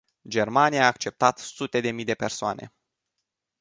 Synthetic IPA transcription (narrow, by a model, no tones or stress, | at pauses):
d͡ʒe̞rmanijaːk̚t͡ʃe̞p̚t̪at̪sut̪e̞d̪e̞mijd̪e̞pe̞rsoa̰nʔe̞̰